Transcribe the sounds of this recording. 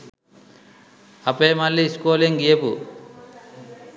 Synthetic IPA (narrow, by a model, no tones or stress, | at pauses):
ɐpeːmɐlːiskoːliŋɡiepu